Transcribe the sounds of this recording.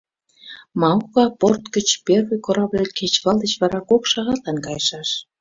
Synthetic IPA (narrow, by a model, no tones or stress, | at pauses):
mɑukɑport̪kə̆t͡ɕpervə̆jkoɾɑβlʲekʰet͡ɕβɑlˠd̪ət͡ɕβɑɾɑkokʃɑɣɑt̪lɑnkɑjʃɑʃ